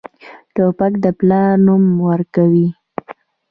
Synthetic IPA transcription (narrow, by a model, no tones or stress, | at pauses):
ʈopakd̪əplɑɾnumwəɾkawi